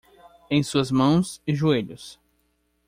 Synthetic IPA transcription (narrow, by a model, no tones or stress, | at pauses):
ẽj̃suɐzmɐ̃w̃sɪʒueʎʊs